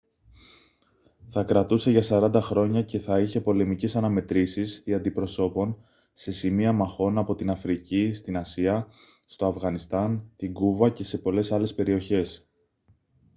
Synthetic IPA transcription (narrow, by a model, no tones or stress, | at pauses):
θɐkɾɐt̪use̞ʝɐsɐɾɐnd̪ɐxɾo̞ɲɐce̞θɐiçe̞po̞le̞mice̞sɐnɐme̞t̪ɾisisðiɐnd̪ipɾo̞so̞po̞n | se̞simiɐmɐxo̞nɐpo̞t̪inɐfɾicist̪inɐsiɐ | st̪o̞ɐfɣɐnist̪ɐnt̪iŋɡuvɐce̞se̞po̞le̞sɐle̞spe̞ɾio̞çe̞s